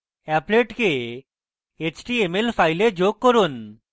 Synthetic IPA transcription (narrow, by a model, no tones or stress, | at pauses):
ɛpleʈke | et͡ɕʈiemelfʰajled͡ʑoɡ̚kɔɾun